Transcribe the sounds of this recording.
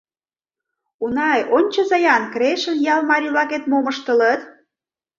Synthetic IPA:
unɑjonʲt͡ɕə̆zɑjɑnkɾeʃə̆njɑlmɑɾʲivlɑket̪moməʃt̪ə̆lət̪

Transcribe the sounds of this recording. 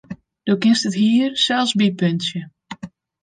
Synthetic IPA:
d̥okɪnstətɦiːərsɛlˠsbipønsjə

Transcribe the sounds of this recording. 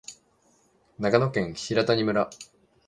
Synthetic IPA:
nakano̞kẽ̞ɰ̃çiɾat̪aɲ̟imɯ̟ɾa

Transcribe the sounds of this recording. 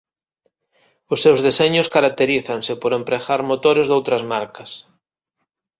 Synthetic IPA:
ʊsːewzðeseɲʊskaɾak̚t̪eɾiθansɪpoɾempɾeɣaɾmot̪oɾɪzðowt̪ɾɐzmaɾkɐs

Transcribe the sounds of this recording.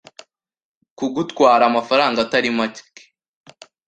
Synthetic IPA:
kuɡutkwaːɾaːmafaɾaːŋɡataɾimaci̥ke̥

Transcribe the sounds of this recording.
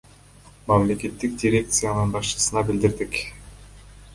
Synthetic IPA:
mɑmle̞ke̞t̪ːikdʲɪɾʲe̞kt̪sɨjanɯnbɑʃt͡ʃɯ̥sɯnɑbild̪iɾd̪ik

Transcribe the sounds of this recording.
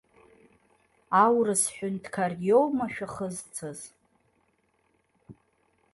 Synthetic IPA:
awrɨsħʷᶣʊndkʰarjowmaʃᶣaχəzt͡sʰɨz

